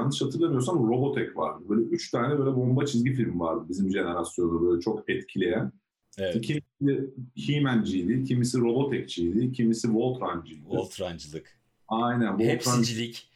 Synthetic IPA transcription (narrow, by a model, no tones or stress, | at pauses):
anɯʃhat̪ʰɯɾlˠamɯjo̞ɾs̬amɾo̞bo̞t̪ʰɛcva̰ɾd̪ɯbøjlʲɛʔyt͡ʃt̪ʰaːnɛbøjlʲɛbo̞mbat͡ʃʰizɟifilʲmvaɾd̪ɯbizimd͡ʒe̞ne̞ɾasjo̞nubøjlʲɛt͡ʃʰo̞kɛt̪cʰilʲe̞jæn | ɛcʰimiɛhimænd͡ʒijd̪ʲicʰimisiɾo̞bo̞t̪ʰɛc̚t͡ʃʰijd̪ʲicʰimisivo̞lˠt̪ɾand͡ʒijd̪ilˠt̪ɾand͡ʒlˠɯk | ajnænvolˠt̪ɾand͡ʒilʲic